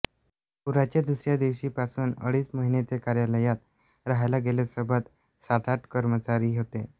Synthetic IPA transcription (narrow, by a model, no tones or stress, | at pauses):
puɾat͡ɕad̪usɾjad̪eʋɕiːpasuːnə̰ɽiːsməɦinet͡sekaɾjaləjat̪ | ɾaɦajlaɡelesəbʱət̪ | saʈ̪ʰaʈkəɾmət͡ɕaɾiːɦot̪e